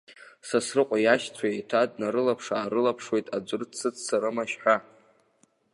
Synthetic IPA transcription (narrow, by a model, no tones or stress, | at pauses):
sasrɨqʷʼajaʃt͡sʷʰaejtʰad̚naɾɨlapʰʂaːɾɨlapʰʂwe̞jtʼad͡ʒʷɨrt͡sʰɨt͡sʰsaɾɨmaʃħʷᶣa